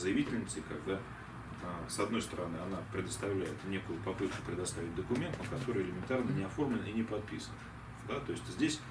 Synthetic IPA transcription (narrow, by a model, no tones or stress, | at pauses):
zɨjɪvʲitʲɪlʲnʲəsʲt̪ʲɪkɐɡd̪a | asɐd̪no̞jst̪əɾɐnɨɐnapɾʲɪd̪əst̪ɐvlʲæjɪt̪nʲekʊjʊpɐpɨt̪̚kʊpɾʲɪd̪ɐst̪avʲɪt̚ʲd̪əkʊmʲe̞nt̪əkɐt̪o̞ɾɨjɪlʲɪmʲɪnt̪arnənʲɪɐfo̞rmlʲɪninʲɪpɐt̪̚pʲisən | d̪at̪o̞ɪsʲtʲzʲdʲesʲ